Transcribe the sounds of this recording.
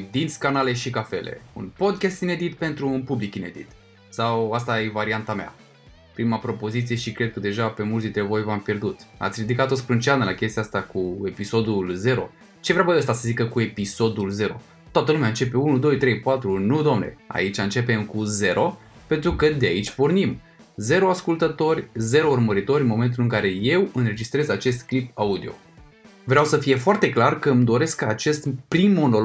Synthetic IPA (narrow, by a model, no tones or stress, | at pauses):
d̪insʲkanale̞ʃikafe̞̰lḛṵnpo̞d̪̚kʲast̪ined̪it̪pe̞nt̪ɾuːnpublikine̞̰d̪ḭt̪ | sawast̪aje̞vaɾiant̪amea̰ | pɾimapɾo̞po̞zit̪sije̞ʃikɾe̞d̪̚kəd̪e̞ʒape̞mult̪d̪int̪ɾe̞vo̞jvampje̞rd̪ut̪a̰t̪sʲɾid̪ikat̪ospɾɨnt͡ʃeanəlakʲe̞st̪ijast̪akue̞piso̞d̪ulze̞ɾo̞̰ | t͡ʃevɾeawbəd̪ast̪asəzikəkue̞piso̞d̪ulze̞ɾo̞ | t̪oat̪əlumeaɨnt͡ʃe̞pe̞unud̪o̞jt̪ɾe̞jpat̪ɾunud̪oamne̞̰a̰it͡ʃʲaɨnt͡ʃe̞pe̞mkuze̞ɾʔo̞ | pe̞nt̪ɾukəd̪eait͡ʃʲpornim | ze̞ɾoaskult̪ət̪o̞rʲze̞ɾourməɾit̪o̞ɾʲɨnmo̞me̞nt̪ulɨŋkaɾe̞je̞wɨnɾe̞d͡ʒist̪ɾe̞zat͡ʃe̞st̪klipaud̪io̞̰ | vɾeawsəfije̞foart̪e̞klarkəɨmd̪o̞ɾe̞skəat͡ʃe̞st̪pɾimːo̞no̞